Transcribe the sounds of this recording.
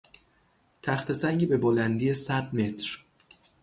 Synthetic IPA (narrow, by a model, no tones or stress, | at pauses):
t̪ʰæxt̪e̞sæŋɡiːbe̞bolænd̪ijesæd̪me̞t̪ʰɾ